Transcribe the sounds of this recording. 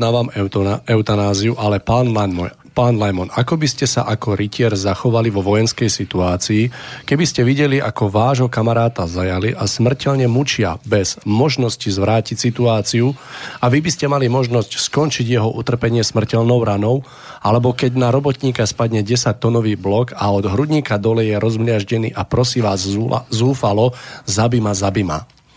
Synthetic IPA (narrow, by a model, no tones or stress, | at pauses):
naːʋamɛʊt̪anaːziuʔalɛpan | paːnlajmɔnakɔbiscɛsa̰ʔakɔɾicɪɛɾzaxɔʋaliʋɔʋɔjɛnskɛjsit̪uaːt͡siːkɛbiscɛʋiɟɛliʔakɔʋaːʒɦɔkamaɾaːt̪azajaliʔasmr̩cɛʎɲɛmut͡ʃɪa̰bɛz̥mɔʒnɔscizʋɾaːcicsit̪uaːt͡siuaʋibiscɛmalimɔʒnɔscskɔnt͡ʃiɟjɛɦɔʔut̪r̩pɛɲɪɛsmr̩cɛlnɔʊɾanɔʊ | ʔalɛbɔkɛɟnaɾɔbɔt̪ɲiːkaspadɲɛɟɛsac̚t̪ːɔnɔʋiːblɔkaɔd̪ɦɾuɟɲiːkad̪ɔlɛjɛɾɔzmlɪaʒɟɛnḭːʔapɾɔsiːʋaːzːuːfalɔzabimazabima̰